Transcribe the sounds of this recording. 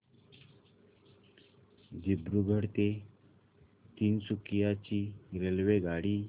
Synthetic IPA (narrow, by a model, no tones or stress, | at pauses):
d͡ʑibɾuɡʱəɽt̪e | t̪iːnsukjat͡ɕiːɾelʋeɡaɽiː